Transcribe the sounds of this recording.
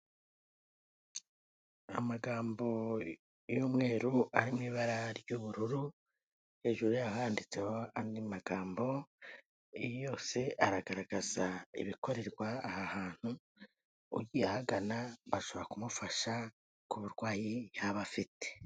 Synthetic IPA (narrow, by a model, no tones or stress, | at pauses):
a̰maɡaːmbo̞ | juːmŋe̞ːɾuʔaɾimŋiːβaɾaɾjuβuɾuɾu | he̞ːʒuɾujaɦaːndit͡se̞ho̞andimaɡaːmbo̞ | jo̞ːse̞ʔaɾaɡaɾaɡaz̥aḭβiko̞ɾe̞ɾɡwaːhahaːn̥huː | ɟiahaɡanaβaʃo̞βoɾakumufaʃa | kuβuɾɡwaːjijaβafite̥